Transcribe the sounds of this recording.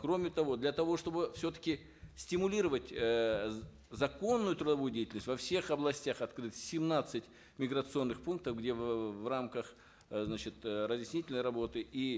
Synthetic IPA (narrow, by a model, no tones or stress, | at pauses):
kro̞mʲɪt̪ɐvo̞d̪lʲɐt̪ɐvo̞ʂt̪o̞bɨfsʲot̪ə̥kʲɪ | sʲtʲɪmʊlʲiɾəvətʲ | zɐko̞nːʊjʊt̪ɾʊd̪ɐvujʊdʲejtʲlnəsʲtʲvɐfsʲe̞xɐblˠɐsʲtʲaxɐt̪kɾɨt̪sʲɪmnat̪sɨtʲ | mʲɪɡɾət̪sɨo̞nːɨxpunk̚t̪əfɡdʲe̞vvramkəx | znat͡ɕɪt̪rəzʲjɪsʲnʲitʲɪlʲnəjɾɐbo̞t̪ɨʔi